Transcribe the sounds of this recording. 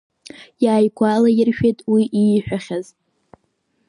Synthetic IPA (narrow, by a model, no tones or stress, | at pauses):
jaːjkʷʰalajɪrʃᶣejtʼwiʔijħʷᶣaχʲaz